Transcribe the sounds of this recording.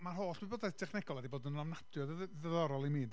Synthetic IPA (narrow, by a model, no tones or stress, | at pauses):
marhoːɬɨboːdaɛtʰɛχnɛɡɔlˠadiboːdənunamnad̥jɔððəðɔɾɔlˠimiːd